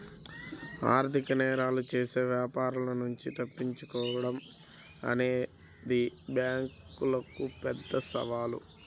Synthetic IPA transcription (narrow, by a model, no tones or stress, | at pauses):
aːɾt̪ʰikɐnɛːɾaːlut͡ʃe̞ːse̞ːʋjaːpaːɾulɐnuɲt͡ʃit̪ɐpːiɲt͡ʃukɔːʋɐɽɐm | ɐ̰neː | d̪ibjaːŋkulɐkupɛd̪ːɐsɐ̰ʋaːlṵ